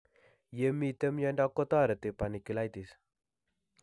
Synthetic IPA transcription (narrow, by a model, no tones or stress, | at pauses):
jəmit̪əmjɔndakot̪aɾət̪epanikulajt̪is